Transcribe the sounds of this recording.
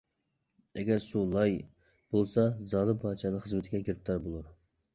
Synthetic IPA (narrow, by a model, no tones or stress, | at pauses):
ɛɡʲɛɾsulˠɑj | b̥olˠsɑzɑːlˠɨpʰɑːt͡ʃʰɑnɨχəzmɪt̪ʰɪɡʲɛkʲiɾɪp̚t̪ʰɑɾbolˠuɾ